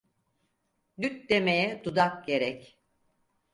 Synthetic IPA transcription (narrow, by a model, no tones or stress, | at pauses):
d̪yt̪̚d̪e̞mejɛd̪ud̪ak̚ɟe̞ɾɛc